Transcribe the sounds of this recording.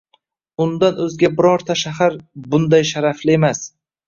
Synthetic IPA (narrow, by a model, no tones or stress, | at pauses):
ʊnd̪anɵzɡʲabɪɾɒɾt̪ʰaʃahaɾbʊnd̪ajʃaɾaflɪe̞mas